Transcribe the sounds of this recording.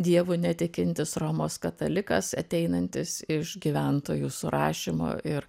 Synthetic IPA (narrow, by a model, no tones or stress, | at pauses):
d̪ʲiɛʋʊnʲɛt̪ʲɪkʲɪnʲt̪ʲɪsroːmoːskɐt̪ɐlʲɪkɐsɐt̪ʲɛɪnɐnʲt̪ʲɪsɪʃɡʲiʋʲɛnt̪oːjuːsʊɾɑ̰ːʃʲɪmo̰ːʔɪɾ